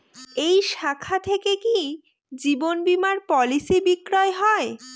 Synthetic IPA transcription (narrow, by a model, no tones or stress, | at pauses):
ejʃakʰat̪ʰekeki | d͡ʑibonbimaɾpɔlisibikɾɔeɦɔe